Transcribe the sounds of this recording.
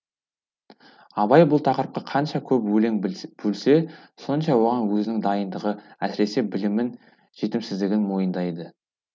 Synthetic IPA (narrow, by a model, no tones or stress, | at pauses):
ɑβɑjbʊlˠt̪ʰɑqəɾəp̚qɑqʰɑnʃɑkʲʰɵpwɵleŋb̥ɵlse̞so̞nʃɑwo̞ʁɑnwɵzɪnɪŋd̪ɑjənd̪əʁəæsɪɾe̞se̞bɪlɪmɪn | ʒ̥e̞t̪ɪmsɪzd̪ɪɡʲɪnmo̞jənd̪ɑjd̪ə